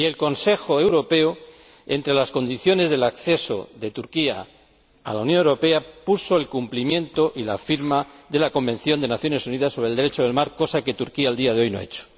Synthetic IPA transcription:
ie̞lko̞nse̞xoe̞wɾo̞pe̞o | e̞nt̪ɾe̞lasko̞nd̪iθjo̞ne̞zðe̞lakθe̞so̞̰ðe̞t̪uɾkia̰ː | lawnjõ̞newɾo̞pe̞apuso̞elkumplimjẽ̞nt̪o̞ʔila̰fiɾmaðe̞lako̞mbe̞n̟θjo̞nd̪e̞naθjo̞ne̞suniðasːo̞βɾe̞ld̪eɾet͡ʃoðe̞lmaɾko̞sake̞t̪uɾkiaeld̪iað̞eo̞jno̞̰e̞̰t͡ʃo̥

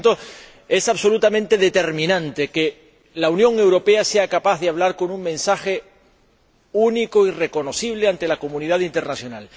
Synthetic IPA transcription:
t̪o | e̞saβso̞lut̪amẽnt̪e̞ðe̞t̪e̞ɾmĩnãnt̪e̞ke | launjõ̞ŋe̞wɾo̞pe̞ase̞akapaððeaβlaɾko̞nuŋmẽ̞nsaxe̞ | unikoire̞ko̞no̞θiβ̞le̞ant̪e̞lako̞mũniðaðint̪e̞ɾnaθjo̞nal

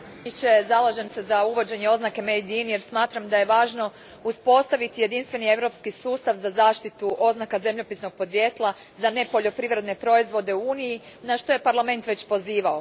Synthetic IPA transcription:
it͡ɕe̞zalˠaʒe̞mse̞zauʋo̞d͡ʑe̞ɲeo̞znake̞mejd̪inje̞ɾsmaːt̪ɾamd̪aje̞ʋaːʒno̞ | uspo̞st̪aʋit̪ije̞d̪inst̪ʋe̞nie̞ʋɾo̞pskisuːst̪aʋzazaːʃt̪it̪uʔo̞znakaze̞mʎo̞pisno̞ɡ̥̚po̞d̪ʋje̞ːt̪lˠa | zane̞po̞ʎo̞pɾiʋɾe̞d̪ne̞pɾo̞izʋo̞d̪e̞uuːniji | naʃt̪o̞jepaɾlame̞nt̪ʋe̞t͡ɕpo̞ziːʋao

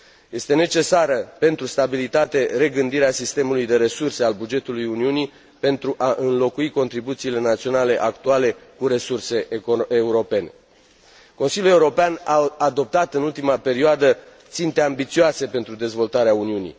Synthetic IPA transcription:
je̞st̪e̞ne̞t͡ʃe̞saɾəpe̞nt̪ɾust̪abilit̪at̪e̞ɾe̞ɡɨnd̪iɾeasist̪e̞mulujd̪e̞ɾe̞surse̞albud͡ʒe̞t̪ulujuniuni | pe̞nt̪ɾuʔaʔɨnlo̞kuiko̞nt̪ɾibut̪siːle̞nat̪sio̞nale̞ʔakt̪uale̞kuɾe̞surse̞euɾo̞pe̞ne̞̰ | ko̞nsiljule̞uɾo̞peanaːd̪o̞p̚t̪at̪ɨnult̪imape̞ɾioad̪ə | t̪sint̪e̞ambit̪sioase̞pe̞nt̪ɾud̪e̞zvo̞lt̪aɾeauniunḭ

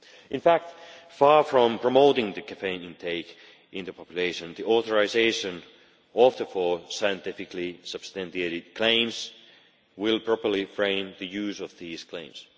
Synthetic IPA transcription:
ɪ̃nfæk̚t | fɑɹfɹɔ̃mpʰɹ̥əmoʊɾɪ̃ŋðɨkʰæfẽɪ̃nɪ̃ntʰeɪk | ʔɪ̃nðəpʰɑpjʉleɪʃɨ̃nðiʔɔθəɹazeɪʃɨ̃n | ɔfðəfɔɹsaɪɨ̃ntɪfɪklisʌb̥st̪æ̃nteɾɪd̚kʰl̥ẽɪ̃mz | wɪlˠpʰɹ̥ɔpə˞lifɹẽɪ̃mðɨjʉːzʌvðiːz̥kʰl̥ẽɪ̃ms

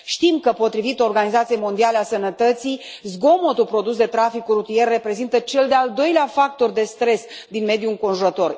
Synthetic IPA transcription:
ʃt̪imkəpo̞t̪ɾivit̪o̞rɡanizat̪sijejmo̞nd̪ialeasənət̪ət̪sij | zɡo̞mo̞t̪upɾo̞d̪usd̪e̞t̪ɾafikurut̪ije̞rːe̞pɾe̞zint̪ət͡ʃe̞ld̪eald̪o̞jleafak̚t̪o̞rd̪e̞st̪ɾe̞s | d̪inme̞d̪juɨŋko̞nʒuɾət̪o̞r

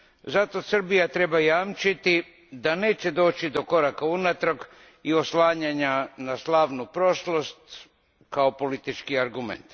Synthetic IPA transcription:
zat̪o̞sr̩bijat̪ɾe̞bajaːmt͡ʃit̪i | d̪ane̞ːt͡ɕe̞d̪o̞ːt͡ɕid̪o̞ko̞ɾakaunat̪ɾok | io̞slaːɲaɲanaslaːʋnupɾo̞ʃlo̞st̪ | kaopo̞lit̪it͡ʃkiaɾɡumḛnt̪

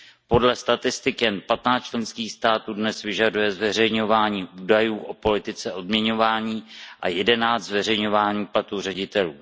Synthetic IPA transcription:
po̞dlɛst̪at̪ɪst̪ɪkjɛnpat̪naːt͡st͡ʃlɛnskiːxst̪aːt̪uːdnɛsvɪʒadujɛzvɛrɛjɲo̞vaːɲiːʔuːdajuːʔo̞po̞lɪt̪ɪt͡sɛʔo̞dmɲɛɲo̞vaːɲiːʔa̰jɛdɛnaːt͡s̪zvɛrɛjɲo̞vaːɲiːplat̪uːr̝ɛɟɪt̪ɛluː

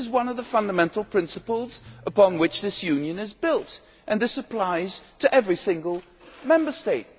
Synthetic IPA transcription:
ɨzwʌ̃nʌvðəfʌ̃ndəmɛ̃ntˡl̩ˠpʰɹ̥ɪ̃nsəpl̩ˠz̥ʔəpɑ̃nwɨt͡ʃðɪsjʉ̃njɨ̃nɨzbɪlˠt | ʔɨ̃nðɪsɨpʰl̥aɪz̥tʰɨʔɛvɹisɪ̃ŋɡəl̩ˠ | mɛ̃mbə˞steɪt̚

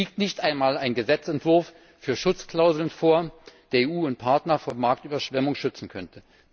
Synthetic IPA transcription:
iːk̚tnɪçtʔaɪnmaːlaɪnɡəzɛt͡sɛntv̥ʊɐfː | yːɐʃʊt͡skl̥aʊzl̩ənfoːɐd̥eːɐeːʔuːʊnt̚pʰaɐtnɐfoːɐmaɐk̚tyːbɐʃv̥ɛmʊŋʃʏt͡sn̩kʰœntʰə

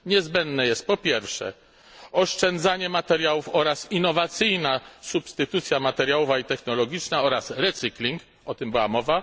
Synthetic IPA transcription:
ɲɛzbɛnd̪nɛjɛst̪̚pɔpʲjɛɾfʂɛ̰ | ɔʂt͡ʂɛnd̪zaɲɛmat̪ɛɾjawufɔɾasinːɔvat̪sɘjnasupst̪ɘt̪ut̪sʲjamat̪ɛɾjawɔvait̪ɛxnɔlɔɡʲit͡ʂnaɔɾasɾɛt̪sɨklʲiŋk | ɔt̪ɨmbɨwamɔva

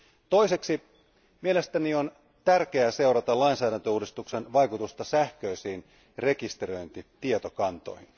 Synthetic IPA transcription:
t̪o̞iseksi | miele̞st̪ænion | t̪ærke̞æse̞uɾɑt̪ɑlɑinsæːɾænt̪øuːdist̪uksenʋɑjkut̪ust̪ɑsæhkøisiːn | re̞kist̪ero̞jnt̪it̪iet̪okɑnt̪o̞̰jhin

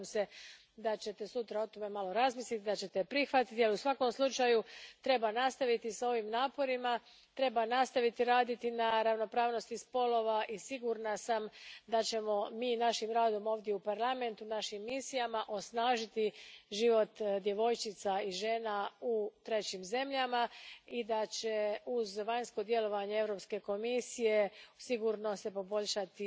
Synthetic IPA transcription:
mse̞ | d̪at͡ɕe̞t̪e̞sut̪ɾao̞t̪o̞me̞malo̞ɾazmislit̪id̪at͡ɕe̞t̪epɾixʋat̪it̪ialiusʋako̞mslˠut͡ʃajut̪ɾe̞banast̪aʋit̪isao̞ʋimnaːpo̞ɾima | t̪ɾe̞banast̪aʋit̪iɾaːd̪it̪inaɾaʋno̞pɾaːʋno̞st̪ispo̞lo̞ʋaʔisiɡuɾnasamd̪at͡ɕe̞mo̞miːnaʃimɾaːd̪o̞mo̞ːʋd̪jeupaɾlˠame̞nt̪unaʃimːisijamaʔo̞snaːʒit̪iʒiʋo̞t̪d̪je̞ʋo̞jt͡ʃit̪saiʒe̞ːnaut̪ɾe̞t͡ɕimze̞mʎamaid̪at͡ɕe̞uzʋaɲsko̞d̪je̞lo̞ʋaɲeevɾo̞pske̞ko̞misije̞siɡuɾno̞se̞po̞bo̞ʎʃat̪i

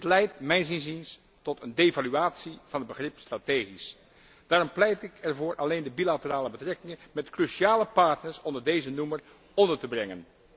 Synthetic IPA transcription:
ətlɛjtmɛjnsɪnzins | tɔtʰəndevalyaːtsiv̥ɑnəd̚bəχrɪpstraːteχis | d̥aːrɔmplɛjtɪkɛɹvʊːɹʔɑ̰lejndəbilatəraːləbətrɛkɪŋənmɛtkryʃiaːləpɑɹtnəɹsɔndəɹdejzənumər | ɔndəɹtəbrɛŋən

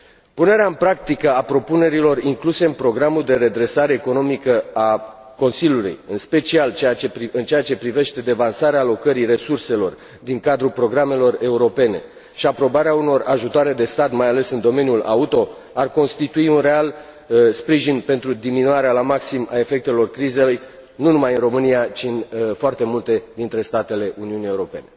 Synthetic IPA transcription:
pune̞ɾeaɨmpɾakt̪ikəapɾo̞pune̞ɾilo̞riŋkluse̞ɨnpɾo̞ɡɾamuld̪e̞ɾe̞d̪ɾe̞saɾe̞ːko̞no̞mikəa | ko̞nsilʲjulṵjɨnspe̞t͡ʃialt͡ʃeat͡ʃeiɨnt͡ʃeat͡ʃe̞pɾive̞ʃt̪e̞d̪e̞vansaɾeaːlo̞kəɾire̞surse̞lo̞r | d̪iŋkad̪ɾupɾo̞ɡɾame̞lo̞re̞uɾo̞pe̞ne̞̰ | ʃiapɾo̞baɾeauno̞raʒut̪oaɾe̞d̪e̞st̪at̪majale̞sɨnd̪o̞me̞njula̰ut̪o̞ | arko̞nst̪it̪uiunre̞al | spɾiʒinpe̞nt̪ɾud̪iminuaɾealamaksima̰e̞fe̞k̚t̪e̞lo̞rkɾize̞luj | nunumajɨnro̞mɨniat͡ʃinfoart̪e̞mult̪e̞d̪int̪ɾe̞st̪at̪e̞le̞ʔuniunije̞uɾo̞pe̞ne̞

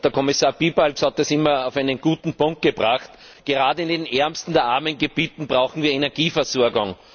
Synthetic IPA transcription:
d̥əɐkʰɔmɪsaːɐb̥iːbalkshɑt̪̚d̥asɪmɐaʊfæɪnənɡ̥uːtn̩pʊ̃ŋk̚t̚ɡ̥əbʁaχt | ɡ̥eʁaːdəɪndenʔɛɐmstn̩d̥̪eɐʔaɐmənɡeb̥iːtn̩bʁaʊxn̩viːɐenɛɐɡ̥iːfɛɐsoːɐɡaŋ

